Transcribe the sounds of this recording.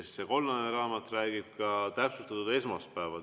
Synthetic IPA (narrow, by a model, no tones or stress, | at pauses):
sseko̞lnɑneɾɑːmɑt̪ːˑræːɡ̥ib̥̚kɑt̪æpsust̪ɑt̪ud̪e̞smɑst̪̚pæevɑ̰